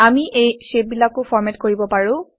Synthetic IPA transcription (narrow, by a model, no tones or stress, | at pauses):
amiʔejʃep̚bilakʊfʰɔɹmɛtkoɹibɔpaɹʊ̃